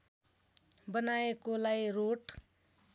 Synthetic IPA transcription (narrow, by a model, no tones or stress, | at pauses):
bʌnaekolajɾoʈ